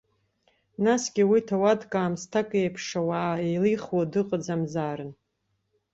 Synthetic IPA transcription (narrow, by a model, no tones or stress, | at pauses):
nasɡʲɪwitʰawadkʼaːmstʰakʼejpʰʂawaːejliχwadɨqʼəd͡zamzaːɾɨn